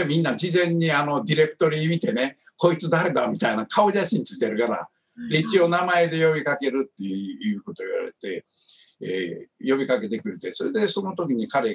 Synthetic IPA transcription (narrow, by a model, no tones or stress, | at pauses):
mʲĩnːad͡ʑizẽ̞ɲ̟ːiano̞d̪ʲiɾe̞kɯ̟̥t̪o̞ɾʲiːmʲit̪e̞ne̞ | ko̞it͡sɨd̪aɾe̞d̪amʲit̪ainakʰao̞ʑaɕĩɲt͡sɨ̥i̥t̪eɾɯ̟kaɾa̰ | d̪eit͡ɕio̞namae̞d̪e̞jo̞bʲikake̞ɾɯ̟t̪ːe̞ɯjɯ̟ːko̞t̪o̞iβa̰ɾe̞̰t̪e̞ | ḛjo̞bʲikake̞t̪e̞kɯ̟ɾe̞t̪e̞so̞ɾe̞d̪e̞so̞no̞t̪o̞kʲiɲ̟ikaɾe̞